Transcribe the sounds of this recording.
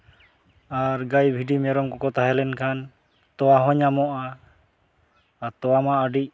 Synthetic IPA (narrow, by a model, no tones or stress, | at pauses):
aɾɡajbʱiɖimɛɾɔŋkɔkɔt̪aɦɛlɛnkʰan | t̪ɔwaɦɔɲamɔʔa | t̪ɔwamaʔəɖic̚